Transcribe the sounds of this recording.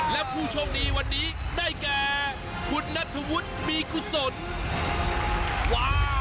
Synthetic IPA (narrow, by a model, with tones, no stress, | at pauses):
lɛ˦˥pʰuː˧˩t͡ɕʰo˧ŋniː˦˥wa˧nːiː˦˥daː˥˩jkɛː˨ | kʰu˧nːa˦˥t̪ʰːu˧wu˦˥t̪̚miː˧ku˧so˨˩n | waː˦˧